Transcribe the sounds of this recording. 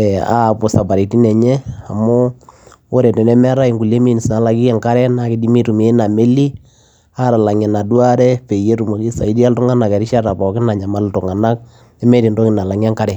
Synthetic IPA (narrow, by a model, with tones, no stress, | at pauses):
ɛ˨a̰˨pʊ˨sa˨ba˨ɾi˨ti˦nɛ˨ɲɛ˦a˨mʊ˦ | o˦ɾɛ˨tɛ˨nɛ˦mɛ˦ɾa˦i˨ŋɡu˨le˦mi˦˨ni˨sna˨˦la˨ki˦ɛ˦ŋka˦ɾɛ˦na˨kɪ˨di˦mi˦ɾu˨meː˨˦na˨me˦li˦ | a˦ɾa˨la˨ŋɛ˨na˨dwa˦ɾɛ˦pe˨je˦ɾu˨mo˨ki˦sa̰˨i˦di˦a˦ltʊ˦ŋa˦na˨kɛ˨ɾɪ˦ʃa˦ɾa˨pɔ˨kɪ˦na˨ɲa˨ma˦ltʊ˨ŋa˨na˦k̚ | ɛ˦mɛ˦ɾi˨ndo˦kɪ˨na˨la˨ŋ˦a˦ŋka˦ɾɛ˨